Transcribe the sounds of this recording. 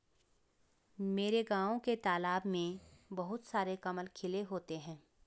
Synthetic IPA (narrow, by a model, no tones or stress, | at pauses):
meːɾeɡãːõket̪aːlaːbmẽbɐɦʊt̪saːɾekɐməlkʰɪleɦoːt̪eɦɛ̃ː